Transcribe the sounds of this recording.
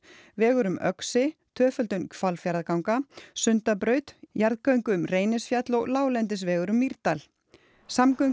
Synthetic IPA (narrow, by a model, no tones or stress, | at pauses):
vɛːɣʏɾʏmʔœ̰ksɪt̪ʰœːfœlt̪ʏnfalfjaɾðkawŋkasʏnt̪apɾœːɥt̪jaɾðkœɥŋkʏʏmreːjnɪsfjat̪lɔɣlaːwlɛnt̪̬ɪsvɛːɣʏɾʏmːiɾt̪al | samkœɥ